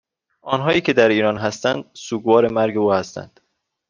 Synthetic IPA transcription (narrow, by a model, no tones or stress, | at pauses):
ʔɒːnɦɒːjiːcʰe̞d̪æɾiːɾɒːnɦæst̪ænd̪̚suːɡvɒːɾemæɾɡeuːhæst̪æ̰nd̪̥